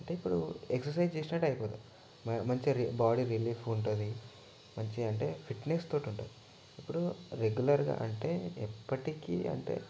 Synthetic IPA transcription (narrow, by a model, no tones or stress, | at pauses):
ɐɳʈe̞ːipːuɽueksɐɾsɐjd͡ʒt͡ʃeːsinɐʈɐjipoːd̪u | mmɐɲt͡ʃiɾibaːɽiɾiliːfuɳʈund̪i | mɐɲt͡ʃiɐɳʈe̞ːpʰiʈnest̪o̞ːʈiuɳʈṵːi | ipːuɽuɾeɡulɐɾɡa̰ːʔɐɳʈe̞ːipːɐʈikḭːɐ̰ɳʈe̞̰ː